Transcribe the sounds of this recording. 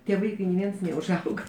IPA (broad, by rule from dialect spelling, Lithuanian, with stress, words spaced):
tʲiɛ ˈʋɐɪkɐɪ nʲɪ ˈʋʲiɛns nʲɛʊʒˈɐʊɡɐ